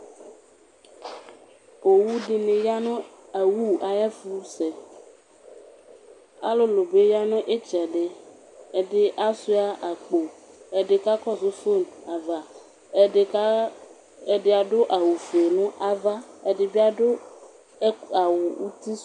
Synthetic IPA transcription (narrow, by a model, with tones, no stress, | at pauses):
o˨wu˦ɖe˨nẽ˨ja˦nõ˦ | a˨wu˦a˨jɛ˦fu˦se˨ | a̰˦lo˦lo˨be˦ja˦nõ˦ʔe˦t͡ʃa˨ɖe˦ | ɖe˦ʔa˦su˦a˦ʔa˨k͡po˨ | e˦ɖe˦ka˦kɔ˦so˦fo˦˨na˨va˨˦˨ | e˦ɖe˦a˨ɖo˦ʔa˨wu˨fe˨nũ˦ʔa˨va˦e˦ɖe˨be˦a˦ɖo˦ | a˨wu˨u˦t̪i˦